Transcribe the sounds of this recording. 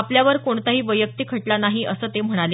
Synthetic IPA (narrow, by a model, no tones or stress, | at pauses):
apljaʋəɾkoɳt̪aɦiːʋəjək̚t̪iːkʰəʈlanaɦiʔəsəːt̪em̤əɽ̃ale